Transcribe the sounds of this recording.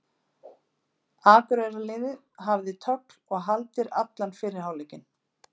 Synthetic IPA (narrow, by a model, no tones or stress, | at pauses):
aːkʏɾɛjɾalɪːðɪ | ɦavðɪt̪ʰœkl̥ɔɣɦalt̪ɪɾa̰t̪lanfɪːɾɪɾ̥haːwlɛːcɪn